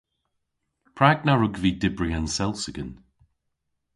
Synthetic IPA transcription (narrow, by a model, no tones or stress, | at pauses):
pʰɹaɡnaɹʊɡviːdɪbɹiansɛlˠsəɡən